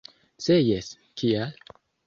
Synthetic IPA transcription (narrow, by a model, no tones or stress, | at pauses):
sejes | kʰial